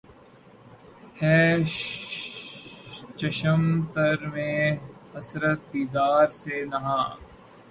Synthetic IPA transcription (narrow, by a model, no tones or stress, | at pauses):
hɛː | t͡ʃəʃəmt̪əɾmẽːhɐsɾət̪̚d̪iːd̪aːɾseːnɐɦãː